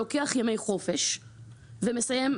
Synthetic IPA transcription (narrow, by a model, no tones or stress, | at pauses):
okeaχjame̞jχo̞fe̞ʃ | vemesaje̞m